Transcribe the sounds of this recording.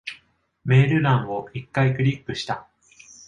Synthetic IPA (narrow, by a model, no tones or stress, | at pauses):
me̞ːɾɯ̟ɾãɰ̃βo̞ikːaikɯ̟ɾʲikːɯ̟ɕi̥t̪a